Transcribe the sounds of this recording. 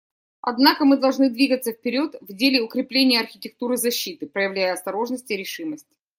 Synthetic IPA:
ɐ̰d̪nakəmɨd̪ɐlˠʐnɨd̪vʲiɡət̪sːəfpʲɪɾʲo̞t̪vdʲelʲɪʊkɾʲɪplʲenʲɪjəɐrxʲɪtʲɪk̚t̪uɾɨzɐɕːit̪ɨpɾəjɪvlʲæjəɐst̪ɐɾo̞ʐnəsʲtʲɪɾʲɪʂɨməsʲtʲ

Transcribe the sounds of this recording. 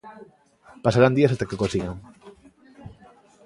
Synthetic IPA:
pasaɾand̪iasat̪akekosiɣaŋ

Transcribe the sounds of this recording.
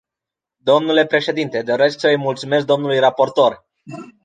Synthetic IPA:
d̪o̞mnule̞pɾe̞ʃe̞d̪int̪e̞d̪o̞ɾe̞sksəjmult̪sume̞s̬k̚d̪omnulujrapo̞rt̪o̞r

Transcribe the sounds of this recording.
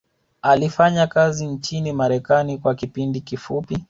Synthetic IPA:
alifaɲakazint͡ʃinimaɾɛkanikwakipindikifupi

